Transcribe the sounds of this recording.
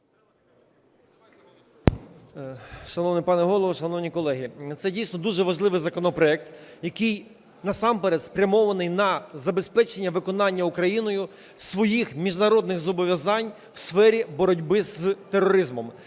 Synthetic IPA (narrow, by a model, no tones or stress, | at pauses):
ʃɐnɔʋnɪpɑnɛɦɔlˠɔʋʃɐnɔwnʲikɔlˠɛɦʲit̪sɛdʲijsnɔd̪uʒɛʋɐʒlˠɪʋɪjzɐkɔnɔpɾɔɛk̚t̪jɐkɪj | nɐsɑmpɛɾɛt̪spɾʲɐmɔʋɐnɪjnɐzɐbe̞spɛt͡ʃenʲːɐʋɪkɔnɑnʲːɐukɾɐjinɔjʊ | sʋɔjixmʲiʒnɐɾɔd̪nɪɣzɔbɔʋʲjɐzɑnʲ | wsfɛɾʲibɔɾɔdʲbɪzt̪erɔɾɪzmɔm